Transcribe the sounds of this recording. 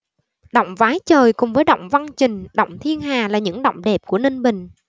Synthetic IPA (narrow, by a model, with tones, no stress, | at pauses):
ɗo̰˧˨wŋ͡mvaː˨˦jt͡ɕəː˨˩jkʊ˨˩ŋ͡mvəː˨˦jɗə̰˧˨wŋ͡mva˧nt͡ɕï˨˩ŋ̟ɗə̰˧˨wŋ͡mt̪ʰi˧ənɦaː˨˩laː˨˩ɲɨ̰˧˥ŋɗə̰˧˨wŋ͡mɗɛ˨˩p̚ku˧˩əne˧nɓï˨˩ŋ̟